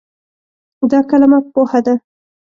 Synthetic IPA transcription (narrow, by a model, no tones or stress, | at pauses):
d̪ɑkalamak̚pohad̪a